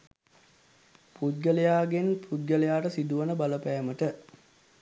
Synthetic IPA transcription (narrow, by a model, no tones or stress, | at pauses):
pud̪ɡəlejaːɡenpud̪ɡəlejaːʈəsid̪uʋənəbaləpæːməʈə